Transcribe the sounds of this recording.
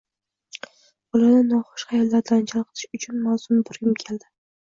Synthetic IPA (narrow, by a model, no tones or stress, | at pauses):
bɒlanɪnɒχʊ̥ʃχajɒllaɾd̪ant͡ʃʰɑlˠqɨ̥t̪ʰɪ̥ʃʊt͡ʃʰʊnmawzʊmbʊɾɡʲɪmkʲʰe̞ld̪ɪ